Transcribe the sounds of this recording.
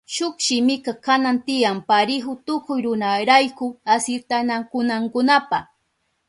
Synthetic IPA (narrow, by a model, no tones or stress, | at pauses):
ʃʊkʃɪmɪkakanant̪ɪjampaɾɪɦʊt̪ʊkʊjɾʊnaɾajkʊasɪɾt̪anakʊnaŋkʊnapa